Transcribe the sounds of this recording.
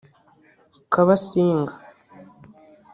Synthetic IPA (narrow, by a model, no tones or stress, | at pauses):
kaβasiːŋɡḁ